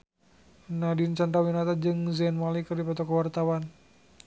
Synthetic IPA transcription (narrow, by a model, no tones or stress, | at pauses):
nadint͡ʃant̪awinat̪ad͡ʒɨŋzɛnmalikɨrdipɔt̪ɔkɔwart̪awan